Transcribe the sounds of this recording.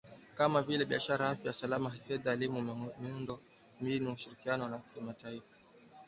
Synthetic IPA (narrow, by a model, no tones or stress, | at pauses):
kamavilɛɓiaʃaɾahafjajasalamafɛðaːlimumiundɔ | minuuʃiɾikianɔnakimataifḁ